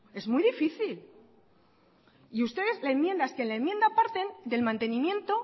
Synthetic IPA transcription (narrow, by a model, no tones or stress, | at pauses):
e̞zmujðifiθil | iust̪e̞ðe̞zlaemmje̞nd̪aeskenlaemːje̞nd̪apaɾt̪e̞nd̪e̞lmãnt̪e̞nĩmjẽ̞nt̪o